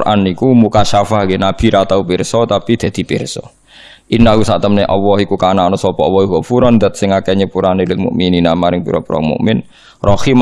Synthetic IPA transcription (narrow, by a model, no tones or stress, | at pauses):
rʔa̰nikumukaʃafaɦɡenab̥i̤ɾat̪aupɪrsɔt̪apid̪̥a̤d̪̥i̤pɪrsɔ | ʔinaɦusaʔt̪əmneʔɔwɔhikukanaɔnɔsɔpɔɔwɔhiɦɔfuɾɔnd̪ət̪̚sɪŋakɛɲəpuɾanelɪt̪̚mṵʔmininamaɾɪŋpṵɾɔ̰puɾa̰ŋmṵʔmɪn | rɔhim